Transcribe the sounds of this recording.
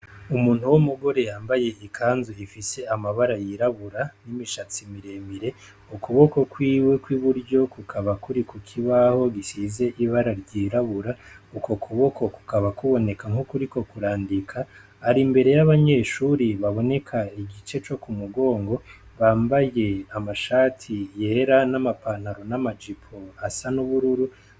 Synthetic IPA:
umuːn̥huwomuɡo̞ɾe̞jaːmbaje̞ikʰaːnzuifise̞amaβaɾajiɾaβuɾanimiʃat͡simiɾe̞miɾe̞ | ukuβo̞ko̞kwiːwe̞kwiβuɾɟo̞kukʰaβakuɾikukʰiβaho̞ɡisize̞ʔiβaɾaɾɟiɾaβuɾauko̞kʰuβo̞ko̞ku̥kaβakuβo̞ne̞kaŋhukuɾiko̞kuɾaːndikʰaː | ɾimbe̞ɾe̞jaβaɲe̞ːʃuɾiβaβo̞ne̞kʰaiɡit͡ʃe̞t͡ʃo̞kumuɡo̞ːŋɡo̞βaːmbaje̞amaʃaːtʰije̞ːɾanamapan̥haɾo̞namad͡ʒipʰo̞asanuβuɾuɾu

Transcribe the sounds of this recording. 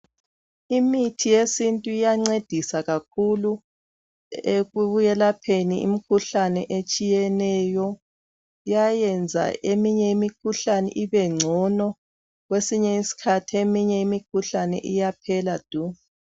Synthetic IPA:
imitʰijesintʼuijaŋ͡ǀed̥ʱisaɣakʰulu | eɣuβujɛlapʰeniḭmikʰuɬanɛʔet͡ʃʼijɛnɛjɔ | ijajɛnd͡zʱa̰emiɲɛimikʰuɬanɛ̰ʔiβɛŋ͡ǀʱɔnɔ | ɣwesiɲɛisi̥kʰatʰiemiɲɛimikʰuɬanɛ̰ʔijapʰɛlad̥ʱu

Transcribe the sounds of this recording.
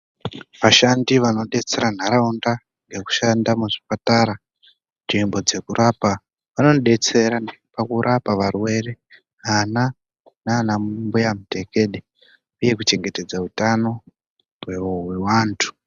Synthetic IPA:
ʋaʃandiʋano̞ɗe̞t͡se̞ɾan̤aɾaunda | ŋɡe̞ku̥ʃandamuʐipataɾa | nʐimbo̞d͡ze̞kurʔapa | ʋano̞ɗe̞t͡se̞ɾanpakuɾʔapaʋarwe̞re̞ | ɦana | nanammbujamute̞ke̞ɗe | uje̞kut͡ʃe̞ŋɡe̞te̞d͡zautano̞ | weowe̞waːntʰu̥

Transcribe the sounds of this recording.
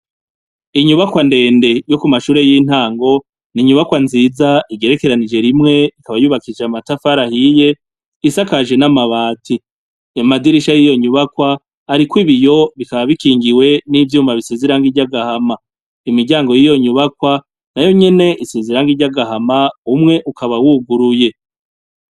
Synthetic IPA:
iɲuβakwande̞ːnde̞jo̞kumaʃuːɾe̞jin̥haːŋɡo̞ | niɲuβakwanziːzaiɡe̞ɾe̞ke̞ɾanid͡ʒe̞ɾimŋe̞ikaβajuːβakid͡ʒeamatafaɾahije̞ | isakaʒe̞namaβaːtʰi | amadiɾiʃajijo̞ɲuβakwaː | ɾikwiβijo̞βikaβaβikiːŋɡiwe̞nivjuːmaβise̞zeɾaŋɡiɟaɡahama | imiɟaːŋɡo̞jijo̞ɲuβakwa | najo̞ɲe̞ne̞ʔise̞zeɾaŋɡiɾɟaɡahamaumŋe̞ʔukʰaβawuɡuɾuje̞

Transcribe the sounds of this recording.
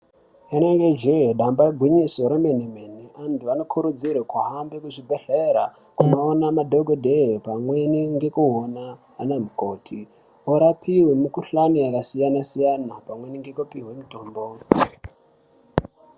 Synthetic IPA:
eneŋɡed͡ʒeɦɗambaɡʱwiɲisoɾemenemeniʔantuanokʰuɾud͡zirwekwaɦambekuʐibʱeɬeɾa | kunoːnamadʱoɡodʱeɦepamweniŋɡe̞kuɦonaː | nemukoːtʰi | oɾapiwemukuɬaniakasijanasijanapamweniŋɡe̞kopiɦwemutoːmbo

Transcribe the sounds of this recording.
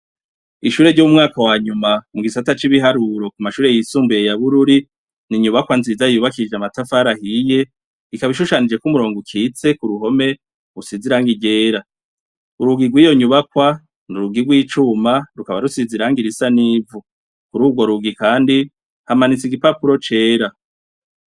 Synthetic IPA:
iʃuːɾe̞ɟoumŋaːkawaːɲumamuɡisatat͡ʃiβiɦaɾuɾo̞kumaʃuːɾe̞jisuːmbuje̞jaβuɾuɾi | niɲuβakwanziːzajuβakid͡ʒeamatafaɾahije̞ | ikaβiʃuʃanid͡ʒe̞kumuɾo̞ːŋɡukʰiːt͡se̞kuɾuɦo̞me̞ | usiziɾaːŋɡiɟe̞ːɾa | uɾuɡiɡwiːjo̞ɲuβakwa | nuɾuɡiɾɡwiːt͡ʃumaɾukaβaɾusiziɾaːŋɡiɾisaniːvu | kuɾuːɡwo̞ɾuɡikaːndi | hamanit͡siɡipapuɾo̞t͡ʃe̞ːɾa

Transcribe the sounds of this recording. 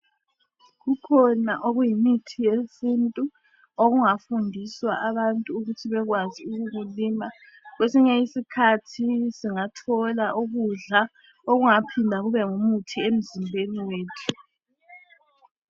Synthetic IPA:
ɣukʰɔnaʔoɣujimitʰijesintʼu | oɣuŋafundʱiswaʔaβantʼuːɣutʰiβɛɣwaziuɣuɣulima | ɣwesiɲɛisikʰatʰisiŋatʰɔlaʔuɣuɮa | oɣuŋapʰindʱaɣuβɛŋumutʰiem̩zimbʱeniweːtʰu̥

